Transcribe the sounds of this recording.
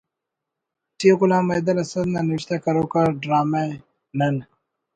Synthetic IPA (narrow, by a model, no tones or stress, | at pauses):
ʈiɡulãːmɐjd̪ɐlɐsɐd̪naniiɕt̪akɐɾoːkɐɾɖɾaːma | nɐn